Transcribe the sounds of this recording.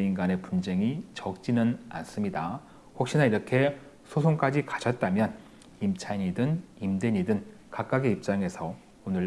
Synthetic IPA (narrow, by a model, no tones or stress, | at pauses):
inɡane̞pund͡ʑe̞ŋit͡ɕʌk̚t͡ɕ͈inɯna̰ns͈ɯmɲida | ɸok̚ɕ͈inaiɾʌkʰe̞ | sʰosʰoŋk͈ad͡ʑikaɕʰʌt̚t͈amjʌn | imt͡ɕʰaɲidɯnimdeɲidɯn | kak͈̚aɡeip̚t͡ɕ͈aŋe̞sʰʌ | onɯɭ